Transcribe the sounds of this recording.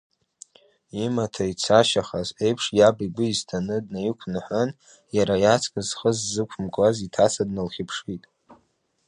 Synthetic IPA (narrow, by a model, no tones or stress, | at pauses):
imatʰait͡sʰaʃaχaze̞jpʰʂjabiɡʷʊiztʰanɨdnajikʷʰnɨħʷʊn | jaɾajat͡sʰʼkʼɨzχəzːɨkʷʰʊmkʼazitʰasʰadnalχʲɪpʰʂitʼ